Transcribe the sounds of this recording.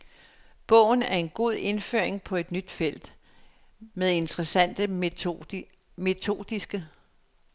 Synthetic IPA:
b̥ɔ̰̽ʊ̰n̩æɐe̝nɡ̥o̝ð̰ˠe̝nfø̰ɐ̰eŋpʰɒ̽e̝d̥nyd̥fel̰d̥ | meðˠe̝nt͡sʰəʁɛsæn̰d̥ə | me̝t͡sʰo̝̰ːd̥ˠisɡ̥ə

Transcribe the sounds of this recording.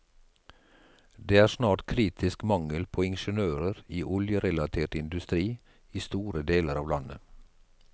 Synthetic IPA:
d̪eːæːʃnɑːʈkʰɾiːt̪ʰɪskmɑŋəlpʰoːɪnʃənøːɾəɾiːʔʊljəɾɛlɑt̪ʰeːʈɪnd̪ʉst̪ɾiː | iːst̪uːɾəd̪eːləɾɑːʋlɑnə̰

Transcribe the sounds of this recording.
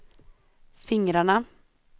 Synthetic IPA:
fɪŋɾaɳə

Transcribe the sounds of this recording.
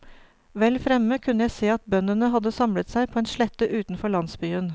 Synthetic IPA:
ʋɛlfɾɛmːəkʰʉnːəjæɪseːɑt̪̚bœnənəɦɑd̪əsɑmlət̪sæɪpʰoːɛnʂɭɛt̪ːəʔʉːt̪n̩fɔɭɑnsbyːən

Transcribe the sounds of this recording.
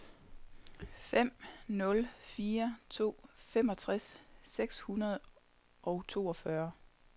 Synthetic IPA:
fem̰nɔ̽lfiːɐt͡sʰo̝̰ːfemɒ̽t͡sʰʁasːeɡ̥shunɐð̞̩ˠ | ʔɒ̽ʊt͡sʰo̝̰ːɒ̽fɶɐ

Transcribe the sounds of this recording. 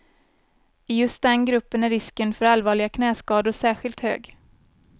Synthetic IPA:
ɪjɵst̪̚d̪ɛnɡɾɵpːənæɾːɪskənfœɾalvɑːɭɪɡakʰnɛːskɑːd̪ʊʂæːɧɪlt̪hø̰ːɡ

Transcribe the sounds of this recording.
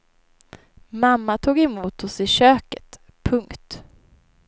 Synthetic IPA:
mamːat̪ʰuːɡɛmuːt̪ɔsɪɕøːkət̪ | pʰɵŋkt̪

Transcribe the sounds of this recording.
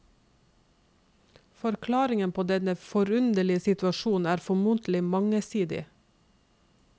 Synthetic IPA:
fɔɾkʰlɑːɾɪŋənpʰoːd̪ɛnəfɔɾʉnd̪əɭɪəsɪt̪ʉɑʃuːn̩æːɾfɔmunt̪l̩ɪmɑŋəsiːd̪ɪ̰

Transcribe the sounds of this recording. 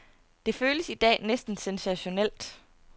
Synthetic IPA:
d̥e̝føːləsid̥ɛ̰ːnesd̥n̩sensæɕo̝nel̰d̥

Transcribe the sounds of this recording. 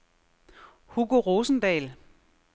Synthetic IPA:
huɡ̥oʁoːsn̩d̥ɛ̰ːl

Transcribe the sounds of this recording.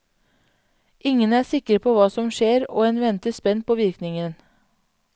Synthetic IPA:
ʔɪŋənæːsɪkəɾpʰoːʋɑːsɔmʃeːɾo̰ːeːnʋɛnt̪əspɛnpʰoːʋɪɾknɪŋən

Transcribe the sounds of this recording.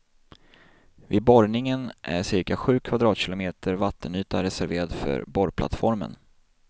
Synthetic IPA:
vɪd̪̚bɔɾnɪŋənʔæ̰ʂɪɾkaɧʉ̟ːkʰvad̪ɾɑːt̪ɕɪlʊmeːt̪ʰəɾvat̪ːənyːt̪aɾɛsæɾveːɾad̪fœ̰ɾbɔɾpʰla̰t̪fɔɾmə̰n

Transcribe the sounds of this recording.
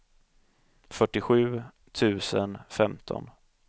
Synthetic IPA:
fœʈːɪɧʉ̟ː | t̪ʰʉ̟ːsənfɛmt̪ʰɔ̰n

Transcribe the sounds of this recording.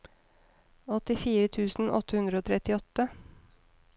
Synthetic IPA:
ɔt̪ɪfiːɾət̪ʰʉːsn̩ʔɔ̰t̪ːəhʉnd̪ɾəoːt̪ʰɾɛt̪ɪɔt̪ːə

